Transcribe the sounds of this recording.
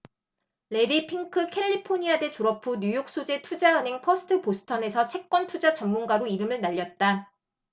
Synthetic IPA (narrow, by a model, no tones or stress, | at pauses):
le̞ɾipʰiŋkʰɯkʰe̞ʎːipʰoɲiade̞t͡ɕoɾʌpʰuɲjujok̚s͈od͡ʑe̞tʰud͡ʑaɯnɦe̞ŋpʰosʰɯ̥tʰɯposʰɯ̥tʰʌne̞sʰʌt͡ɕʰe̞k̚k͈wʌntʰud͡ʑat͡ɕʌŋmunɡaɾoiɾɯmɯɭnaʎːʌt̚t͈a